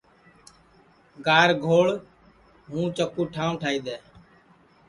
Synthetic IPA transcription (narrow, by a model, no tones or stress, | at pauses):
ɡaːɾɡʱoːɭ | ɦũːt͡ʃəkuːʈʰaːũʈʰaːiːd̪eː